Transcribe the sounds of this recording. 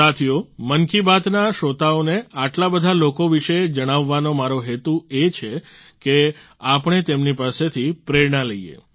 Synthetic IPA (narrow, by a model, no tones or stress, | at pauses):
at̪ʰijomənkibat̪naʃot̪aoneaʈlabəd̪ʱalokoʋiʃed͡ʒəɽ̃aʋːanomaɾoɦet̪uet͡ʃʰe | ke | apəɽ̃et̪emnipaset̪ʰipɾeɾɳaləijḛ